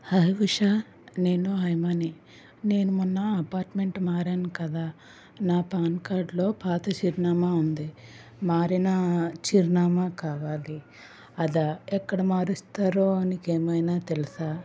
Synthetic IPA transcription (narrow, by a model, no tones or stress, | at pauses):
hɐjʋuʂa | ne̞ːnuɦɐjmaːni | ne̞ːnumunːɐɐpaːɾʈme̞ɳʈmaːɾeːnkɐd̪aː | naːpaːnkaːɾɖlo̞ːpaːt̪ɐt͡ʃiːɾnaːmaːund̪i | maːɾinɐt͡ʃiɾnaːmaːkaːʋaːli | ɐd̪aɛkːɐɽɐmaːɾust̪aːɾoːɐnikeːmɐjnaːt̪elisaː